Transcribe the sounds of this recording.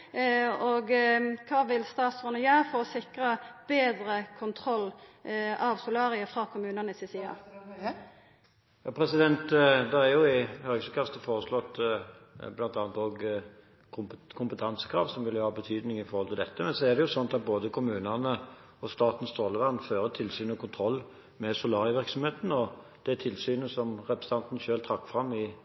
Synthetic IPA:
ɔɡkʰɑːʋɪlst̪ɑːt̪sɔnəjɑːfɔɾɔsɪkɾəb̥eːd̪ɾəkʰʊnt̪ʰɾɔlː | ɑʋsʊlɑːɾɪəfɾɑːkʰʊmʉːnənəsɪsiːɑ̰ | jɑːpʰɾɛsɪd̪ɛnt̪d̪ɛæɾjʊɪhœɡsəkʰɑst̪əfoːʁəslɔt̪ː | blɑnt̪ɑːnt̪oːɡ | kʰʊmpət̪ʰɑnsə̥kʰɾɑ̰ːʋsɔmʋɪlːjəhɑːbət̪ʰyːd̪nɪŋɪfɔɾhɔlt̪ʰɪld̪ɛt̪ːəmɛnsɔæd̪ɛjʊsɔnːɑt̪ɑt̪̚boːd̪əkʰʊmʉːnənə | ɔst̪ɑːt̪n̩st̪ɾoːləʋɑnːføːɾət̪ʰɪlsyːnəɔkʰʊnt̪ʰɾɔlː | mɛsʊlɑːʁɪəʋɪɾksɔmheːt̪n̩ɔ | d̪̥ɛt̪ʰɪlsyːnəsɔmʁɛpɾə̥sɑnt̪n̩ʃøːlt̪ʰɾɑkːfʁɑmːɪ

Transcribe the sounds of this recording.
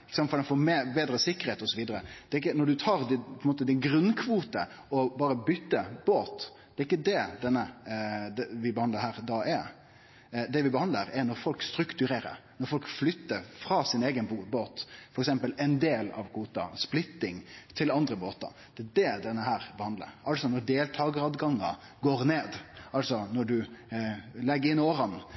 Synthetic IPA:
ɪkəsɑnfɔd̪ɛnfɔːɾmɛbeːd̪ɾəsɪkːəɾheːt̪ɔsɔʋiːd̪əɾəd̪̥ɛɾɪk̬ːənɔɖʉt̪ʰɑːɾd̪pʰɔɛnmoːt̪əd̪ɪnɡɾʉnkʰʋuːt̪ə̰ | ɔbɑːɾəbʏt̪ːəb̥oːt̪d̪̥ɛæɾɪk̬ːəd̪ɛd̪ɛnːəd̪ɛʋɪbəhɑnləɦæːɾd̪ɑːʔeː | d̪ɛʋɪbəhɑnd̪ləɾɛɾnɔɾfɔlkst̪ɾʉkt̪ʉɾeːɾə̰ɾnɔɾfɔlkflʏt̪ːəɾfɾɑːsɪneːɡənboːt̪fɔɾɛksɛmpəlɛɪnd̪eːlɑ̰ʋkʰuːt̪ɑ̰splɪt̪ːɪŋt̪ʰɪlɑnd̪ɾəboːt̪ɑ̰ɾd̪̥ɛːd̪ɛd̪ɛnːəɦæːɾbəhɑnd̪lə̰ɾɑlsɔnɔɖeːlt̪ʰɑːɡəɾɑd̪ɡɑŋːɑ̰ | ɡoːɾneːd̪ɑlsɔnɔɖʉ | lɛɡːəɾɪnoːɾɑn

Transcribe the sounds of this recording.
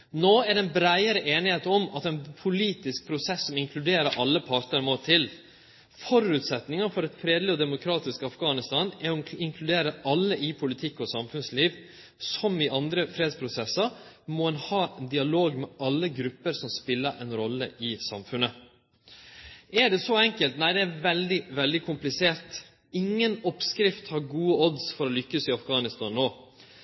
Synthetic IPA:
noːæɖɛnbɾæɪəɾəʔeːnɪheːt̪ɔmɑt̪ɛnpʰʊliːt̪ɪsk̚pʰɾʊsɛsːɔmɪŋkʰlʉd̪eːɾəɾʔɑlːəpʰɑɾt̪əɾmoːt̪ʰɪl | fɔɾʉːt̪sɛt̪nɪŋɑfɔɾɛt̪fɾeːd̪lɪɔd̪ɛmʊkʰɾɑːt̪ɪskəɑfɡɑːnɪst̪ɑːnæɾɔɪŋkʰlʉd̪eːɾəɑlːəɪpʰʊlɪt̪ʰɪkːɔsɑmfʉnsliːʋ | sɔmɪʔɑnd̪ɾəfɾeːd̪spʰɾʊsɛsːəɾ | mɔɛnhɑːɛnd̪ɪɑloːɡmɛʔɑlːəɡɾʉpːəɾsɔmspɪlːəɾʔɛnɾɔlːə̰ʔɪsɑ̰mfʉnə | æɖɛsɔɛŋkəlt̪næɪd̪ɛːɾʋɛld̪ɪʋɛld̪ɪkʰʊmplɪseːɾt̪ | ɪŋːənɔpskɾɪft̪hɑɾɡuːəɔd̪sfɔɾɔlʏkːəsɪɑfɡɑːnɪst̪ɑnːoː

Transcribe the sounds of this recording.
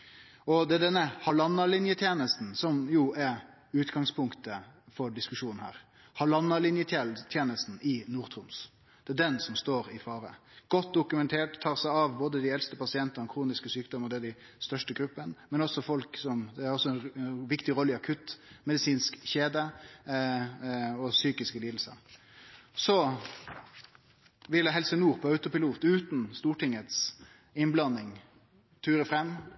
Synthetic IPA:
ɔd̪ɛæɖɛnːəhɑlɑnːɑlɪnjət̪ʰjeːnəst̪n̩sɔmjʊɛɾ | ʉːt̪ɡɑŋspʰʊŋkt̪əfɔɖɪskʉʂuːnn̩hæ̰ːɾ | hɑlɑnːɑlɪnjət̪ʰet̪ʰjeːnəst̪n̩ɪnuːɾt̪ʰʁʊms | d̪̥ɛæɖɛnsɔmst̪oːɾɪfɑːɾəɡ̥ɔt̪̚d̪ʊkʉmɛnt̪ʰeːʈt̪ʰːɑːʁsæɪɑʋboːd̪əd̪ɪɛlst̪əpɑsɪɛnt̪ənəkʰɾuːnɪskəsyːk̚d̪ɔməʁd̪ɛæd̪æɪ | st̪œʂʈəɡɾʉpːənmɛnɔsɔfɔlksɔmæɾɔsːɔɛnʋɪkt̪ɪɾɔlːəɪɑkʰʉt̪ːmɛd̪ɪsiːnskçeːd̪ə | ɔsyːkɪskəliːd̪l̩sə̰ɾ | sɔ | ʋɪlːəɦɛlsənuːʁpʰɔɑʉt̪ʊpɪluːt̪ʉːt̪nst̪uːʈɪŋːət̪s | ɪnblɑnːɪŋ | t̪ʰyːɾəfɾɛmː

